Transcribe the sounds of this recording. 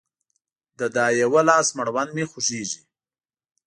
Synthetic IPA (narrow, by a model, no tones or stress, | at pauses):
d̪əd̪ɑːjewalɑːsmaɽwanmexʊʃeːʒi